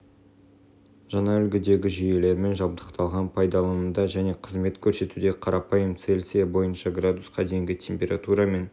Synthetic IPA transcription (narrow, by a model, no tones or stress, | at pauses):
ʒ̥ɑnɑʏlɡʲɪd̪e̞ɡʲɪʒije̞le̞ɾme̞nʒɑb̚d̪əqt̪ʰɑlˠʁɑnpʰɑjd̪ɑlˠɑmənd̪ɑʒæne̞qʰəzme̞t̪kʲʰɵɾse̞t̪ud̪e̞qʰɑɾʔɑpɑjəmt̪se̞lʲsijɑbo̞jənʃɑɡrad̪usqɑd̪ejŋɡʲɪt̪ʲʰe̞mpʲe̞ɾat̪uɾɑme̞n